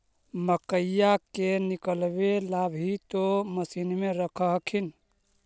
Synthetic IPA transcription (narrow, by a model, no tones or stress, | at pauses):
məkəjakenikəlbelabʱit̪oməsinmeɾəkʰəɦkʰin